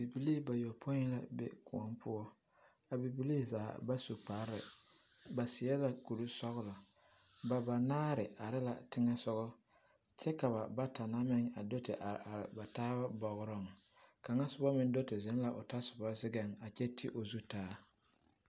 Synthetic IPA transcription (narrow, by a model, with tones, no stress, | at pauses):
bi˨bi˦li˦˨ba˨jo˨pʰo˦la˦bḛ˦kʊ˨ɔ˦mpʰʊ˦ɔ˦ | a˨bi˨bi˦li˦˨zaː˨˦ba˦su˨k͡pa˨ɾɪ̰˨ba˨sɪ˨jɛ˦la˨ku˨ɾu˦sɔ˦ɣʊ˦la˨ | ba˨ba˨naː˦ɾɪ˨ʔa˨ɾɪ˦la̰˨tɪ˦ŋɛ˦sɔ˦ɣɔ˦ | t͡ʃɛ˦ka˨βa˨ba˦ta˨na˦mɪ˦ŋa̰˨do˦tɪ̰˨ʔa˨a˨ɾba˨taː˦ba˦bɔ˨ɣʊ˦ɾɔ˦˨ŋ | ka˨ŋa˦sʊ˨bɔ˦mɪ˨n˦do˦tɪ˨zɛ˨˦nla˨ʔo˨ta˦sʊ˨bɔ˦zɪ˦ɡɛ˨ŋa˨t͡ʃɛ˦tʰɪ˦ʔo˨zu˦taː˦